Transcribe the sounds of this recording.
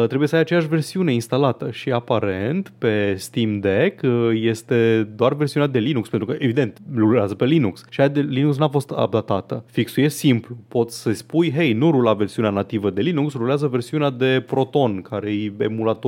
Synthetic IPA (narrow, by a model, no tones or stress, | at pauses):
t̪ɾebujesəajat͡ʃejaʃve̞rsiune̞inst̪alat̪əʃiapaɾe̞nt̪pe̞st̪imd̪ekje̞st̪e̞d̪oarve̞rsiunat̪d̪e̞linukspent̪ɾukəʔevid̪e̞nt̪lulazəpe̞linuksʃiaad̪elinuksnafo̞st̪a̰b̚d̪at̪at̪əfiksujesimplupo̞t̪sʲsəspujɦejnuɾulave̞rsiuneanat̪ivəd̪e̞linuksruleazəve̞rsiunead̪e̞pɾo̞t̪o̞nkʰaɾejḛmulat̪o